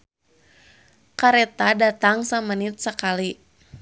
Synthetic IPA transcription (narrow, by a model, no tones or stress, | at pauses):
kaɾɛt̪adat̪aŋsamənit̪̚səkali